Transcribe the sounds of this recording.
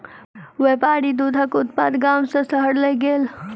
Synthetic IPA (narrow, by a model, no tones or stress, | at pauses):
ʋeːpaːɾid̪ud̪ʱəkʊt̪̚paːd̪ɡaːmsəsəɦəɽləjɡeːl